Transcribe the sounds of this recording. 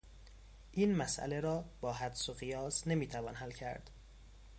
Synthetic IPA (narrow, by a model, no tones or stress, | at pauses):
ʔiːnmæsʔæ̰leɾɒːbɒːɦæd̪soɣijɒːsne̞miːt̪ʰævɒːnɦælcʰæɾd̪̥